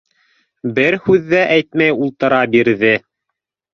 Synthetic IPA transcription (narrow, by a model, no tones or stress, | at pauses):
bɘɾhʉðːæʔæjt̪mæjulˠt̪ɤ̆ɾɑbiɾðɘ